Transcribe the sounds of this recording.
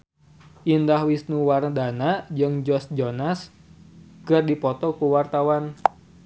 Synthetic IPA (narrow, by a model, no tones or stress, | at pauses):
ʔindahwisnuwardanad͡ʒɨŋd͡ʒɔsd͡ʒɔnas | kɨrdipɔt̪ɔkuwart̪awan